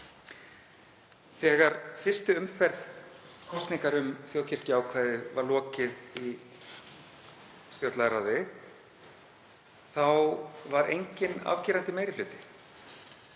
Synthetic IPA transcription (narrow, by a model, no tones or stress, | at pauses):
θɛːɣaɾ̥fɪr̥st̪ʏʏmfɛɾðkʰɔwst̪niŋkaɾʏmθjoːwcʰɛɾ̥cɪawkʰvaːjðɪvaɾlɔːcɪði | st̪jɔwt̪laðɾawðɪ | θawvaɾejɲcɪna̰v̥ciːɾant̪ɪmeːjɾɪflʏːt̪ɪ̥